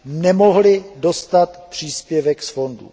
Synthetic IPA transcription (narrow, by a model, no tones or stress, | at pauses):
nɛmo̞ɦlɪdost̪at̪pr̝̥iːspjɛvɛksfo̞ndṵ